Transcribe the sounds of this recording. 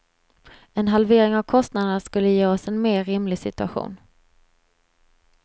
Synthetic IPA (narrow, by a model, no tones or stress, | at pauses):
ɛnɦalveːɾɪŋavkʰɔst̪nad̪ənaʂkɵlːəjeːɔsɛnmeːɾɪmlɪɡsɪt̪ɵaɧṵːn